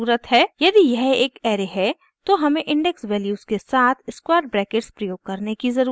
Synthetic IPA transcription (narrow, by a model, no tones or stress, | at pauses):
uːɾət̪ɦɛːjɐd̪ijɛɦeːkɛːɾeɦɛ | t̪oɦɐmẽʔɪ̃ɳɖɛksʋɛːljuːzkesaːt̪ʰɪskwaːɾɖ̚bɾɛːkeʈspɾɐjoːɡ̚kɐɾnekizɐɾuː